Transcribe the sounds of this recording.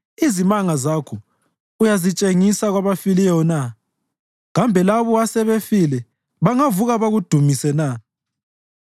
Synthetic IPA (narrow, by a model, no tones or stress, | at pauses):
izimaŋazakʰɔ | ujazit͡ʃʼeŋisaɣwaβafiliɔna | ɣambʱɛlaβɔasɛβefilɛ | βaŋavuɣaβaɣud̥ʱumisɛna